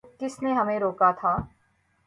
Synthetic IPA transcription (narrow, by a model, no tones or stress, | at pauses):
kɪsneɦɐmẽɾoːkat̪ʰaː